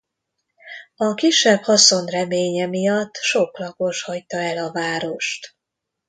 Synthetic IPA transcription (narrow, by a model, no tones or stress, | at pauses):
ɒkiʃːɛbhɒso̞nrɛmeːɲɛmijɒt̪ːʃoklɒko̞ʃhɒct̪ɒɛlɒvaːɾo̞ʃt̪